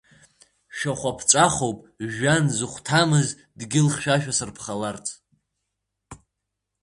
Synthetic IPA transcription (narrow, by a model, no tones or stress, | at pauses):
ʃᶣaχʷapʰt͡ʃʷʼaχowpʼ | ʒanzɨχʷtʰamɨz | dɡʲɪlχʲʃᶣaʃᶣasɨrpʰχalart͡sʰʼ